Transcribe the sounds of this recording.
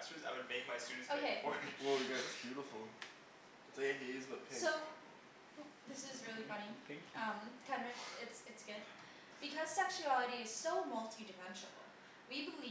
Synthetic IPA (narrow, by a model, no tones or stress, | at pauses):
sʉzaɪɨ̃ɱveɪd̚maɪstʉɾisoʊkʰeɪ̃ɪ̃nwɛlˠwiɡɨtsb̥jʉɾəfl̩ˠ | ɨseniɪzbəpʰɪsoʊ | ðɪsɪzɹɪlˠifʌ̃ñiθæ̃ŋkjʌ̃mkʰɛ̃nɹɨkɪtsɨtsɡ̥ʊd | b̥ɨkʰʌz̥sɛkʃʉælˠəɾiɨz̥soʊmʌlˠtʰidɨmɛ̃nʃə̰l̩l̩ˠ | wibəlli